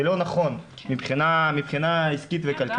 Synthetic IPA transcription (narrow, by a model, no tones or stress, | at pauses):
elo̞naχo̞n | mibχinamipχinaiskit̪vekalk